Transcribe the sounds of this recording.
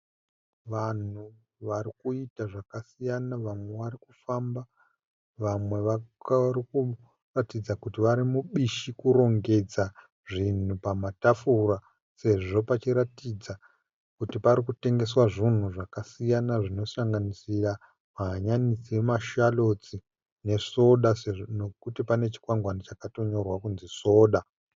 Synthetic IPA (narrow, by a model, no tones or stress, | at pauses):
ʋan̤u | ʋaɾikuitaʐakasijanaʋamwe̞ʋaɾikufamba | ʋamwe̞ʋariku | ratid͡zakutiʋaɾimuɓiʃikuɾo̞ŋɡe̞d͡za | ʐin̤upamatafura | se̞ʐo̞pat͡ʃiɾatid͡za | kutipaɾikute̞ŋɡe̞swaʐin̤uʐakasijanaʐino̞saŋɡanisira | maɦaɲanisiwemaʃalo̞t͡si | ne̞so̞ɗasnokutipane̞t͡ʃi̥kwaŋɡwanit͡ʃakato̞ɲo̞rwakunziso̞ːɗa